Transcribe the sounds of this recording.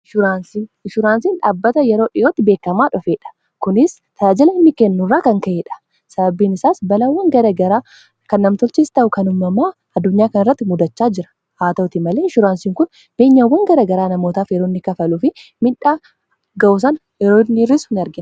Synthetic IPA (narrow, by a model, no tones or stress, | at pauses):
ʃʊɾaːnsiʃʊɾaːnsiːnᶑaːbːɐt̪ɐjɛɾo̞ːᶑɪjoːt̪ːɪbe̞ːkːɐmaːᶑɔfeːᶑɐ̥ | kʊnɪs | t̪ʰɐjaːd͡ʒɪlɐɪnːɪkɛnːʊrːaːkɐŋkɐʔeᶑɐ̥ | sɐbɐbːiːnɪsaːsbɐlɐwːɐŋɡɐɾɐɡɐɾaː | kɐnːɐmt̪ʊlt͡ʃiːst̪ɐʔʊkɐnʊmːɐmaː | ɐd̪ːʊɲːaːkɐnɪrːɐt̪ːɪmʊd̪ɐt͡ʃːaːd͡ʒɪɾɐ̥ | haːt̪ɐt̪ɪmɐle̞ːʃʊɾaːnsiːŋkʊn | b̥eːɲːawːɐŋɡɐɾɐɡɐɾaːnɐmo̞ːt̪aːfjɛɾoːnːɪkɐfɐluːfɪmɪᶑaː | ɡɐʔʊs̬ɐn | ɛɾoːnːɪrːɪshɪnɐɾɡɪn